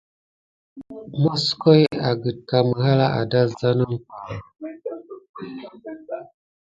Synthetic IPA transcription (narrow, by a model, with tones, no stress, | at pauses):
mo˦sko˦ja˨ɡə˨d̚ka˨mə˨ɦa˦la˦ʔa̰˨da˦za˦no˦n˦ka˨la˨